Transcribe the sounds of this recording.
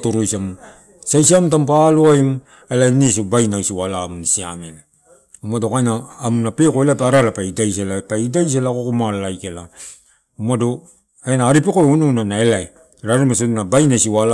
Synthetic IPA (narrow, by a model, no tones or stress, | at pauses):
toɾojsam | sajsiamtampaloajm | elajnesobajnausiwalamunsia̰mela | umadokajnaːmunape̞koelajpaɾalapaidajs̬elapaidajs̬elakokomalalajkela | umado | enaːɾipekoeununanae̞lae | ɾaɾimas̬onabajnasiwala